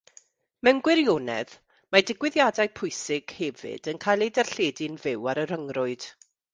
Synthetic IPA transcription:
mɛnɡwɪɾjonɛ̰ð | madɪɡwɪðjadajpʰʊɨsɪɡ̥hɛvɨ̰dənkʰajlˠedɛrɬeːdɪnvɪwaɾəɾəŋrʊɨd̥

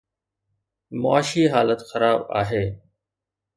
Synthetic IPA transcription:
mʊ̰aːʃiːɦaːlət̪xəɾaːba̰ːɦeː

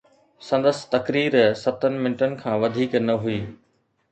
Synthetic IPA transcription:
sɐ̃nd̪əsɪ̥̆t̪ɐkɾiːɾsɐt̪ənɪ̆mɪ̃nɪʈənɪ̆kʰãːʋɐd̪ʱiːknɐɦuiː

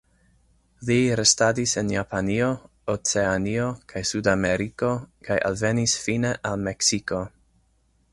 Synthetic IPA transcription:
liɾestadisenjapanio | ot͡seanio̞kʰajsudameɾiko̞kʰajʔa̰lve̞nisfineʔalmeksiko̞

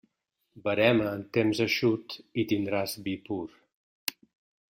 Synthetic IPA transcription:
bəɾɛməːnt̪emzəʃut̪it̪ind̪ɾazbipuɾ

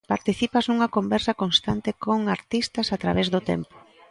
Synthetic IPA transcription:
paɾt̪iθipɐznuŋɐkombɛɾsɐkonst̪ant̪ɪkoŋaɾt̪ist̪ɐsat̪ɾa̰βɛzðʊt̪ɛ̰mpo̥

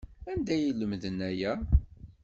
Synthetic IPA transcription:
ænd̪æjiləmðənæjæ

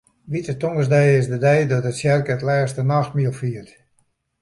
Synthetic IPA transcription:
ʋitətoŋəsdɛjɪsdədɛjdɔtətsjɛrkətlɛːstənaxtmiəlˠfiərt

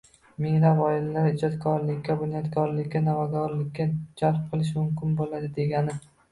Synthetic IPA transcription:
mɪŋlapɒɪlalaɾɪd͡ʒɒt̪kʰɒɾlɪkʲːabʊnjɒt̪kʰɒɾlɪkʲːanavaɡɒɾlɪkʲːad͡ʒalp̚qʰɨlˠɪʃmʊmkʲɪnbolad̪ɪd̪e̞ɡʲanɪ

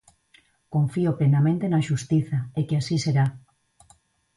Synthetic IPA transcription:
kõɱfioplenamẽnt̪enaʃust̪iθaekeasiseɾa

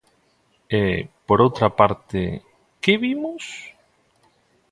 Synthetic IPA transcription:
epoɾowt̪ɾapaɾt̪ḛ | kɪβimos

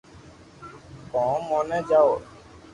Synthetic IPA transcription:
kɔ̃ːmõːnɛ̃ːd͡ʒaːoː

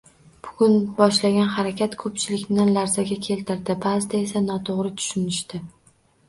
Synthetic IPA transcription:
b̥ʊɡʲʊnbɒʃlaɡʲanɦaɾakʲʰat̪kʰɵpt͡ʃʰɪlɪkʲnɪlaɾzaɡʲakʲʰe̞lt̪ʰɪɾd̪ɪbazɪt̪aesanɒt̪ʰoʁɾɪt̪ʰʊ̥ʃʊnɪʃt̪ɪ

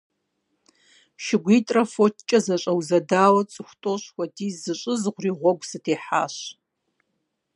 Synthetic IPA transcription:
ʃɪɡʷitʼrɐfott͡ʃʼɐzɐɕʷʼɐwzɐdaːwɐt͡sʼɨxʷtʼoʃwʷɐtʰʼiːzɨt͡ʃʼɨzʁʷriʁʷɔɡʷsɨtʰeħa̰ːʃ

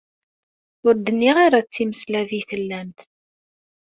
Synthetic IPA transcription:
ʊɾd̪ənːiʁaɾat͡sːiməslæviθəlːæmt̪

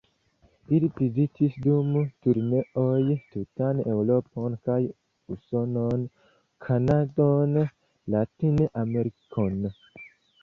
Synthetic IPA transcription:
ilipizitʰisdumtuɾneʔojtutanewɾoponkaj | usonon | kʰanadon | latinʔameɾikʰon

